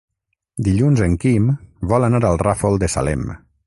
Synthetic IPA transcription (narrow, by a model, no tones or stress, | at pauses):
d̪iʎunzəŋkimbɔlanaɾalˠrafolˠd̪əsa̰lɛ̰m